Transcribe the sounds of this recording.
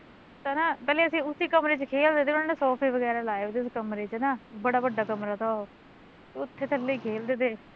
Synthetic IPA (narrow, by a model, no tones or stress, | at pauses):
t̪aːnaːpɛːleːəsĩːʊsiːkəmɾeːt͡ʃkʰeːld̪eːt̪eːʊnaːneːsɔːpʰiːʋəɡɛːɾaːlaːɪʋd̪eːskəmɾeːt͡ʃːnaːbəɽaːbəɖːaːkəmɾaːt̪aːoː | t̪eːʊt̪ʰːeːt̪ʰəlːeiːkʰeːld̪eːd̪eː